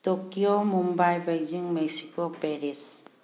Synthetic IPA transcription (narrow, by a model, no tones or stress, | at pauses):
tokiomumbajbajd͡ʒiŋmeksikopeɾis